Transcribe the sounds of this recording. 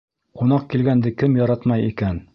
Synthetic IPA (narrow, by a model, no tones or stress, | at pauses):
qunɑq̚kilɡænd̪ɘkɘmjɒɾɑt̪mɑjikæn